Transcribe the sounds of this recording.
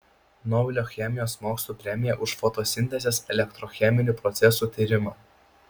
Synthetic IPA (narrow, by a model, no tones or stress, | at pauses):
nɔbʲɪlʲoːxʲɛmʲɪjoːsmoːkslˠuːpʲɾʲɛmʲɪjɛʔʊʃfɔt̪oːsʲɪnʲt̪ʲɛzʲɛːsɛlʲɛkt̪ɾɔxʲɛmʲɪnʲuːˑpɾɔt̪sʲɛsuːt̪ʲiːɾʲɪmɑː